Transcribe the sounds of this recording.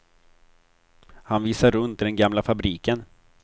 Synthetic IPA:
hanviːsaɾːɵnt̪ɪd̪ɛnɡamlafabɾiːkən

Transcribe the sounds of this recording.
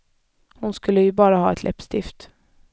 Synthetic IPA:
hʊnskʉlːəɪbɑːɾəhɑːɛt̪lɛ̰pst̪ɪft̪

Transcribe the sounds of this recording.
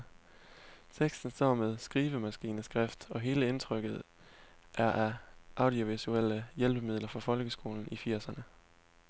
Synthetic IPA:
t͡sʰeɡ̥sd̥n̩sd̥ɒ̰ːmeð̞ˠsɡ̥ʁiːʋəmæsɡ̥ḭːnəsɡ̥ʁefd̥ɒ̽ɦe̝ːləe̝nt͡sʰʁœɡ̥ð̩ˠ | ʔæɐʔæʔɑ̈ʊd̥io̝ʋisuel̰əjelb̥əmiðˠlɐfɒfɒ̽lɡ̥əsɡ̥o̝̰ːln̩ifiɐ̰sɐnə

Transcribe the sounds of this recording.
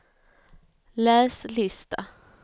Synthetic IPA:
læːslɪst̪a

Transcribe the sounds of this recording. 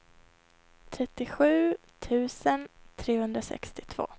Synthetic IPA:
t̪ʰɾɛt̪ːɪɧʉ̟ː | t̪ʰʉ̟ːsənt̪ʰɾeːhɵnd̪ɾasɛ̰kst̪ɪt̪ʰv̥o̰ː

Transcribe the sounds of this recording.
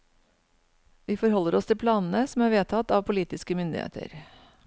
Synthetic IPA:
ʋiːfɔɾhɔlːəɾɔst̪ʰɪlpʰlɑːnn̩əsɔmæːɾʋeːt̪ʰɑt̪ɑːʋpʰʊliːt̪ɪskəmʏnd̪ɪ̰hḛːt̪ə̰ɾ

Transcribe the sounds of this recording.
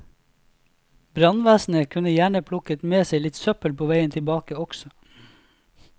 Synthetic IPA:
bɾɑnʋæːsn̩əkʰʉnəjæːɳəpʰlʊkət̪meːseɪlɪt̪sœpəlpʰoːʋæɪənt̪ʰɪlbɑːkəɔksɔ

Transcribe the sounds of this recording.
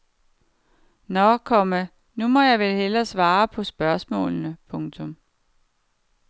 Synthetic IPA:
nɒkʰɒ̽mə | numɒ̽jɑ̈ɪʋelhelɐsʋɑ̈ːpʰɒ̽sb̥ɶɐsmɔ̰̽ːlnəpʰɔ̽ŋt͡sʰɔ̽m

